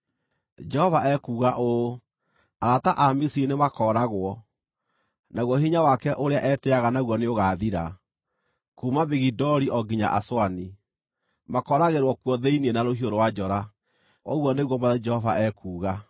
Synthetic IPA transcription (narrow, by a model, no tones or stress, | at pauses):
d͡ʒɛhɔvaʔɛkuːɣaʔo | aɾataʔamisinemakɔːɾaɣwɔ | naɣwɔɦiɲawakɛʔoɾeaʔɛtɛaɣanaɣwɔneoɣaðiɾa | kumabiɣidɔɾiʔɔɡiɲa̰ʔa̰swani | makɔɾaɣeɾwɔkwɔðeinienaɾohioɾowad͡ʒɔɾa | ɔɣwɔneɣwɔmad͡ʒɛhɔvaʔɛkuːɣa